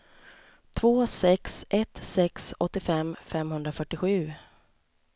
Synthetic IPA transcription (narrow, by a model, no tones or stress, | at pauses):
t̪ʰvoːsɛksʔɛt̪sɛksɔt̪ːɪfɛmfɛmhɵnd̪ɾafœʈːɪɧʉ̟ː